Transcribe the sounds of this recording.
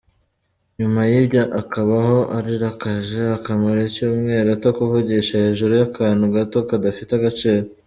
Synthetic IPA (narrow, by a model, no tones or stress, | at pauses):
ɲumajibjoʔakaβaho̞ʔaɾiɾakaʒe̞akamaɾecuːmŋe̞ːɾatakuvuɟeʃahe̞ːʒuɾujakʰaːnhuɡato̞kadafiteaɡat͡ʃe̞ːɾo